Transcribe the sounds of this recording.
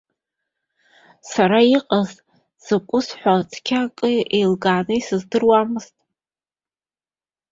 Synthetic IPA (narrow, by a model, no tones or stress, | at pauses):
saɾaiqʼaz | z̥ɨkʷʼʊsħʷat͡sʰʼkʲʰakʼɨejlɡaːnɨisɨzdɨrwamɨz̥tʼ